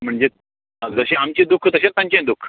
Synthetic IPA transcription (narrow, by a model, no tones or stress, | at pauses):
m̤əɳd͡ʑe | d͡zəɕeamt͡ɕẽd̪ukʰt̪əɕet̪jãɲt͡ɕẽd̪ukʰ